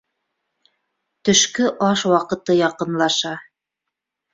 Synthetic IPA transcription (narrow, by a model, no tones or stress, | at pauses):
t̪ɵ̆ʃkɵʔɑʃwɑqɤ̆t̪ɤjɑqɤ̆nlˠɑʃɑ